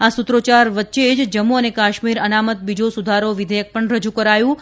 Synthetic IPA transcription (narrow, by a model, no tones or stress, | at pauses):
asut̪ɾot͡ʃaɾʋətːʃed͡ʒd͡ʒəmuənekaʃmiɾənamət̪̚bid͡ʒosud̪ʱaɾoʋɪd̪ʱəjək̚pəɳɾəd͡ʒukəɾajũ